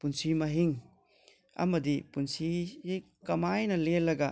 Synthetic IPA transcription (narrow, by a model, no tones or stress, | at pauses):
punsimɐɦiŋ | ɐ̰mɐdipunsisi | kɐmajnɐlelːɐɡɐ